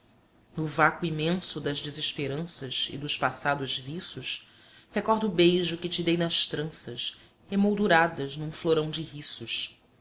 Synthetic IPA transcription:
nʊvakuimẽsʊd̪ɐzd͡ʒiziʃpeɾɐ̃sɐzɪ̰d̪ʊʃpasad̪ʊzvisʊʃ | hekɔɾd̪ʊːbejʒʊkɪt͡ʃɪd̪ejnɐʃt̪ɾɐ̃sɐʃ | hemowd̪uɾad̪ɐznũfloɾɐ̃w̃d͡ʒɪɦisʊʃ

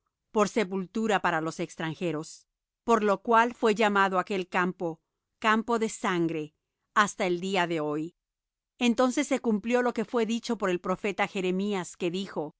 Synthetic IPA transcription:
po̞ɾse̞pult̪uɾapaɾalo̞sekst̪ɾaŋxe̞ɾo̞s | po̞ɾlo̞kwalfwe̞ʝamaðoake̞lkampo̞ | kampo̞ðe̞saŋɡɾe̞ | ast̪ae̞ld̪iaðe̞o̞j | ent̪o̞nse̞sːe̞kumpljo̞lo̞ke̞fwe̞ðit͡ʃo̞po̞ɾe̞lpɾo̞fe̞t̪axe̞ɾemiaske̞ðixo̞

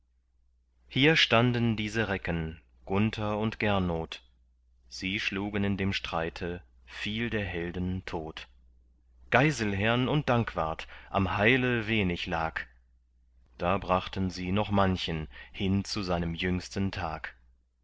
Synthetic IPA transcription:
hiːɐʃtandəndiːzəʁɛkən | ɡ̥ʊntʰɐʊntɡ̥ɛɐnoːt | z̥iːʃluːɡənɪndeːmʃtʁ̥aɪtʰə | fiːldeːɐɦɛldən̩tʰoːt | ɡ̥aɪzl̩ɦɛɐnʊnt̚d̥aŋkv̥a̰ɐtʔa̰mhaɪləveːnɪçlaːk | d̥aːbʁaχtən̩ziːnɔχmançənhɪnt͡suzaɪnəmjʏŋstən̩tʰa̰ːk

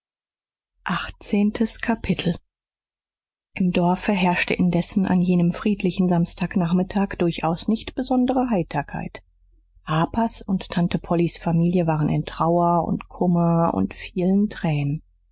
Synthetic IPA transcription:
ʔaχt͡seːntʰəskʰapʰɪtʰl̩ | ʔɪmdɔɐfəɦɛɐʃtəʔɪndɛsn̩ʔa̰njeːnəmfʁ̥iːtʰlɪçn̩zamstʰaːknaːχmɪtʰaːkd̥ʊɐçʔaʊsnɪçtb̥əzɔndəʁəɦaɪtʰɐkʰa̰ɪt | haːpʰasʊnttʰːantəpʰɔlisfamiːljəvaːʁənʔɪ̰ntʁ̥aʊɐʊ̰ntkʰʊmɐʊ̰ntfiːləntʁ̥ɛːnən

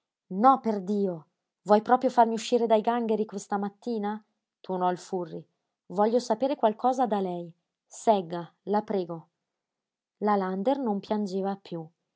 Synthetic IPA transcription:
nɔpːerd̪iːo | vwɔjpɾɔːpɾjofarmiuʃːiːɾed̪ajɡaŋɡeɾikwest̪amat̪ːiːna | t̪ʰurnɔilfurːi | vɔʎːosapeːɾekwalkʰɔːzad̪alɛj | sɛɡːalapɾɛːɡo | laland̪ernompjand͡ʒeːvapːju

